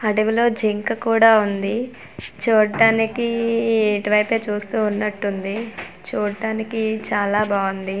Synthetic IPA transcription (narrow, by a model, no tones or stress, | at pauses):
ɐɽɐʋilo̞ːd͡ʒiŋkɐkuːɽaːund̪i | t͡ʃuːɽɐɖaːnikieʈiʋɐjpeːt͡ʃuːst̪uːunːɐʈːund̪i | t͡ʃuːɽɖaːnikit͡ʃaːlaːbaːɡund̪i